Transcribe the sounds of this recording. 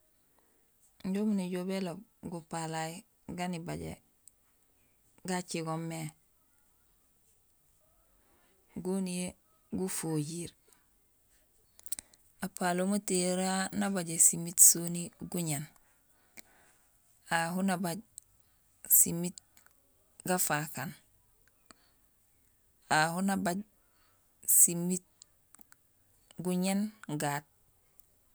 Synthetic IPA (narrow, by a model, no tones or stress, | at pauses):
ɲɟomunuɟobeloɡupalai | ɡanibaɟḛ | ɡat͡ʃiɡomːe | ɡonie | ɡufoɟiɾ | apalomutiɾanabaɟesimitsoniɡuɲen | aɦunabaɟ | simit | ɡafakan | ahunabaɟ | simit̚ | ɡuɲenɡaːt̚